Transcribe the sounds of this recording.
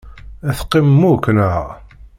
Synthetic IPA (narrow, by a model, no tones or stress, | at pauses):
æθqːimːukːnəʁ